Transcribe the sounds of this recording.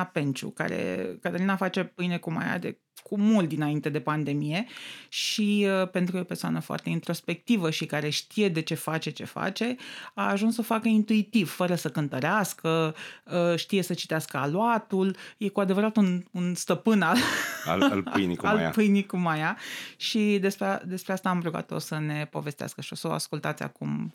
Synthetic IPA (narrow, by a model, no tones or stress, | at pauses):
ape̞nt͡ʃṵka̰ɾḛkad̪eɾinafat͡ʃepɨjnekuma̰ja̰d̪ḛ | kʰumult̪d̪inaint̪ed̪e̞pand̪e̞mije̞ʃiəpe̞nt̪ɾuo̞persoa̰nəfoa̰rt̪e̞int̪ɾo̞spe̞k̚t̪ivəʃikaɾe̞ʃt̪ije̞d̪e̞t͡ʃe̞fat͡ʃe̞t͡ʃe̞̰fa̰t͡ʃe̞aːʒunsːəfakəint̪uit̪ivfəɾəsəkɨnt̪əɾeaskəəʃt̪ije̞sət͡ʃit̪easkəaloat̪ulje̞kuad̪e̞vəɾat̪ununst̪əpɨnal̰ | lɨjnḭkala̰pɨjnikumajaʃid̪e̞spɾead̪e̞spɾeast̪aːmpɾoɡa̰t̪o̰t̪səne̞pove̞st̪ea̰skəʃio̞səoa̰skult̪at̪sʲa̰kum